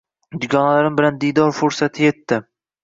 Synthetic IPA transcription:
d̪ʊɡʲɒnalaɾɪmbɪland̪ijd̪ɒɾfoɾsat̪ʰɪje̞t̪ːɪ

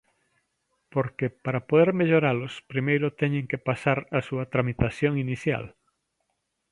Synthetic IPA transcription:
poɾkepaɾapoðeɾmeʎoɾalʊspɾimejɾʊt̪ɛɲẽŋkepasaɾasuɐt̪ɾamit̪aθjoŋiniθja̰l

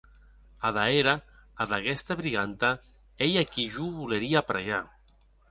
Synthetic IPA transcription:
aðaeɾaː | ðaɣɛst̪aβɾiɣant̪a | ejakiʒuβuleɾiapɾaja

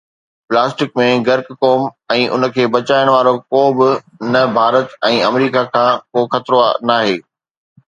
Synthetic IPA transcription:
plaːsʈɪkmẽɡɐɾkkoːmɛ̃ːʔʊ̰nə̆kʰeːbɐt͡ɕaːɪɽ̃ʋaːɾokoːbɪ | nɐbʱaːɾət̪ɛ̃ːɐmɾiːkakʰãːkoːxɐt̪ɾoa̰naːɦeː

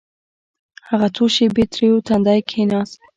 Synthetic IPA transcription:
haʁat̪ʰuʃibit̪ɾiut̪ʰand̪ajkʰinas

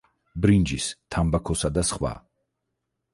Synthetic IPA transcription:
bɾind͡ʒist̪ʰambakʰɔsad̪asχwa̰

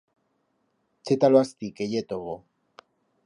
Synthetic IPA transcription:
t͡set̪aloast̪ikejet̪oɣo

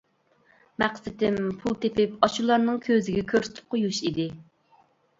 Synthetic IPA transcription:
mæqsɪt̪ɪmpʰulˠt̪ʰepɪpɑt͡ʃulˠɑɾnɨŋkʲʰøzɪɡʲɛkʲʰøɾsɪt̪ʰɪ̥p̚qʰojuʃid̪ɪ

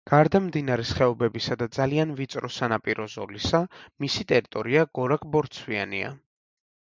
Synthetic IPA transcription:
ɡ̥aɾd̪amd̪inaɾɛsχɛɔbɛbisad̪ad̪zalianvit̪sʼɾɔsanapʼiɾɔzɔ̰lisamisit̪ʼɛɾit̪ʼɔɾiaɡ̥ɔɾakʼbɔɾt̪sʰwianḭa̰

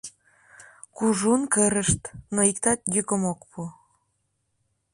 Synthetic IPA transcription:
kuʒunkəɾəʃt̪noikt̪ɑt̪̚jykə̆mokpʰu

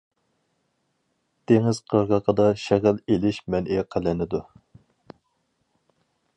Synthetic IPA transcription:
t̪eŋɪz̥qʰəɾʁɑqəd̪ɑʃɛʁɪlelɪʃmɛnʔeqʰælɪnɪd̪u

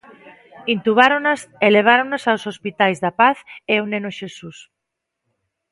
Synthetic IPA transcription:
int̪uβaɾonaseleβ̞aɾoŋnosawsospit̪ajzðapaθeonẽnoʃesus

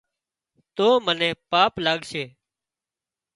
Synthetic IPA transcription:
t̪oːmənẽːpaːplaːɠseː

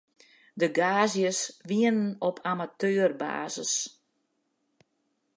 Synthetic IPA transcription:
dəɡaːzjəsʋiənənɔpʰamatøːərba̰ːzəs

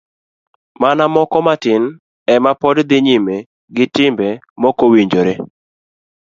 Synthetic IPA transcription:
manamɔkɔmatɪn | ɛmapɔdd̪ɪɲime | ɡɪtɪmbɛ | mɔkowiɲd͡ʒoɾe

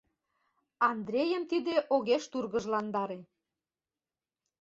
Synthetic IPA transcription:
ɑnd̪ɾʲejə̆mt̪id̪eʔoɣeʃt̪urɣə̆ʒlɑnd̪ɑɾe

